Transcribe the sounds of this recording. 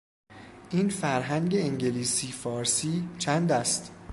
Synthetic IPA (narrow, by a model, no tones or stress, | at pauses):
ʔiːnfæɾɦæŋɟeeŋɟeliːsiːfɒːɾsiːt͡ʃʰænd̪æst̪